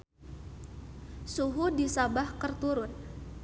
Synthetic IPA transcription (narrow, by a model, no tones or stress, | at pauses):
suɦudisabahkərt̪uɾʊn